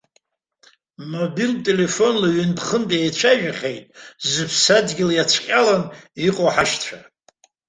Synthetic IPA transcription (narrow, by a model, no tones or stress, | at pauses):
mobiltʼe̞le̞fo̞nlaɥʏndχəntʼjejt͡ɕʷʰaʒᶣaχʲejtʼzɨpʰsadɡʲɪlajat͡ɕʷʰqʲʼalaniqʼoħaʃtʷʰa